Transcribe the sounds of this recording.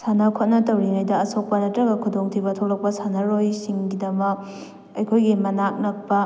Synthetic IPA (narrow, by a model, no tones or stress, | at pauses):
sanɐkʰot̚nɐtɐwɾinajdɐɐsok̚pɐnɐtɾɐɡɐkʰudoŋtʰibɐtʰowlɐk̚pɐsanɐɾojsiŋɡidɐmɐk̚ | ɐjkʰojɡimɐnak̚nɐk̚pɐ